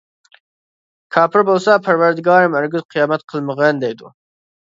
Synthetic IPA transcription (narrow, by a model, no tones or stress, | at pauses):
kʰɑːpʰɪɾbolˠsapʰaɾwaɾd̪ɪɡɑːɾɪmæɾɡɪzqʰijɑːmat̪̚qʰəlˠməʁend̪ɛjd̪ṵ